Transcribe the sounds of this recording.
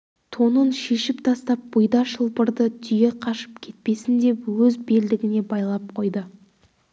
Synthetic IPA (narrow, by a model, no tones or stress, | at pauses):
t̪ʰo̞nənʃe̞ʃɪp̚t̪ʰɑst̪ɑp̚b̥ʊjd̪ɑʃəlˠpəɾd̪ət̪ʰʏjeqʰɑʃə̥pkʲʰe̞t̪̚pe̞sɪnd̪e̞pwɵzbe̞ld̪ɪɡʲɪne̞bɑjlˠɑp̚qʰo̞jd̪ə